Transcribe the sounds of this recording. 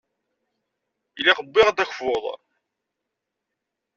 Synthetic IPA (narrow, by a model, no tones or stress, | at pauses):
ilaχəbːɪʁd̪æçfoðˤ